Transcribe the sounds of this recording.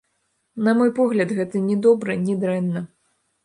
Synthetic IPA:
nɐmɔjpɔɣlʲɐd̪ɣɛt̪ɨnʲɛd̪ɔbɾɨnʲid̪ɾɛnːɐ

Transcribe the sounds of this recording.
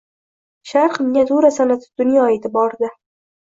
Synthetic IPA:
ʃaɾqɨmnʲazuɾasanat̪ʰɪ̥d̪̥ʊnjɒeːt̪ʰɪbɒɾd̪ɪ

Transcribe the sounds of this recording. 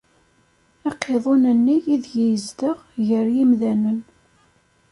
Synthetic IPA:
æqʰːeðˤonənːijiðjijəzd̪əʁʝəɾjimðænən

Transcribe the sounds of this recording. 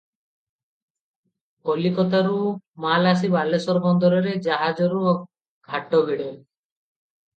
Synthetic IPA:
ɔlikɔt̪aɾumalas̬ibalesɔɾbɔnd̪ɔɾɔɾed͡ʒaɦad͡ʒɔɾu | ɡʱaʈɔbʱiɽe

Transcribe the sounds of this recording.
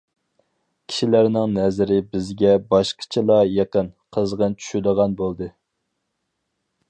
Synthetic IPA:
kʲʰi̥ʃilæɾnɪŋnɛzɪɾɪbɪzɡʲɛbɑʃqʰə̥t͡ʃʰilˠɑjeqənqʰəzʁənt͡ʃʰy̥ʃyd̪əʁɑnbolˠd̪ɨ

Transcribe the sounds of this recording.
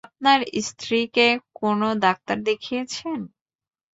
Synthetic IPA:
ap̚naɾist̪ʰɾikekonod̪ak̚t̪aɾd̪ekʰijet͡ɕʰen

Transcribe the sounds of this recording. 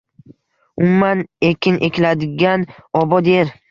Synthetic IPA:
ʊmːanekʲʰɪnʔe̞kʲlad̪ɪɡʲanɒbɒd̪eɾ

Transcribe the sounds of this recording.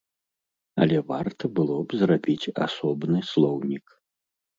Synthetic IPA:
ɐ̰lʲɛvart̪ɐbɨlˠɔbzrabʲit͡sʲa̰sɔbnɨslˠɔwnʲik

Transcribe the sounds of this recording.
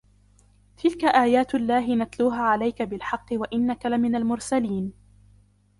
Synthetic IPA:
t̪ʰɪlkaʔaːjaːt̪alːaːɦɪnat̪luːɦaːʕalajkabɪlħɑqːɨwaʔɪnːakalamɪnalmʊɾsaliːn

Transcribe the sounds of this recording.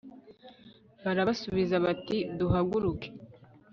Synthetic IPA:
βaɾaβsuβizaβatiduɦaɡuɾuke̥

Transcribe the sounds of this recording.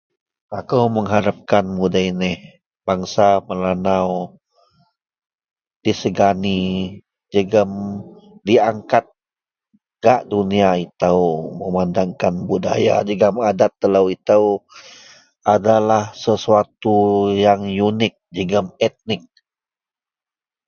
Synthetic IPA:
akəwməŋɦaɾap̚kanmudainɪh | b̥aŋsaməlanaw | d̥isəɡani | d͡ʒəɡəmdiaŋkat̪̚ | ɡ̥aʔduniait̪awməmandaŋkanbuda̰ja̰d͡ʒəɡəmadat̪ːələwit̪aw | adalahsəsuat̪ujaŋjunɪk̚d͡ʒəɡəmɛt̪̚nɪk̚

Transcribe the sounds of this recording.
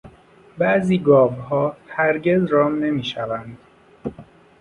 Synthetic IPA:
bæʔziːɡɒːbɦɒːhæɾɟezɾɒːmne̞miːʃævænd̪̥

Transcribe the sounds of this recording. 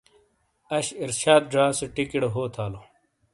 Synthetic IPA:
ɐɕiɾɕaːd̪̚ɖɾaːseʈikiɽɦoːt̪ʰaːlo

